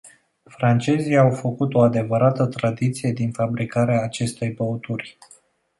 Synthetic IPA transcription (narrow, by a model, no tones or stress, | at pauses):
fɾant͡ʃe̞zijawfəkut̪o̞ad̪e̞vəɾat̪ət̪ɾad̪it̪sije̞d̪infabɾikaɾeaːt͡ʃe̞st̪e̞jbəot̪urʲ